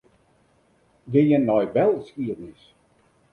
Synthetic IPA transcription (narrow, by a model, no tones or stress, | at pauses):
ɡejənːɔjʋɛlˠskiədnəs